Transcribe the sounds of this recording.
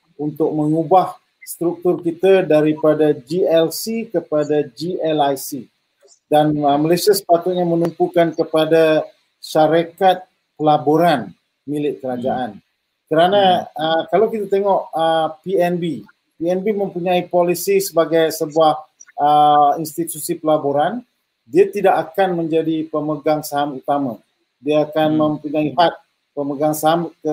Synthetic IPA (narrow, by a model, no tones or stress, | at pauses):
unt̪ʊk̚məŋubah | st̪ɾuk̚t̪ʊrkit̪adaɾipadad͡ʒiɛlsikəpadad͡ʒiɛlajsi | danəməlesiasə̥pat̪ʊt̪̚ɲamənumpukankəpada | ʃaɾakat̪̚ | kəlaboɾan | milɪʔ̚kəɾad͡ʒaʔan | kəɾanãəkalawkit̪at̪eŋɔʔəpiɛnbi | piɛnbimə̃mpuɲãipolisisəbaɡajsəbuahəinst̪it̪usipəlaboɾan | diat̪idakakanmə̃ɲd͡ʒadipəməɡaŋsaɦamut̪amã | diaːkanmə̃mpuɲãihat̪̚ | pəməɡaŋsaɦamkə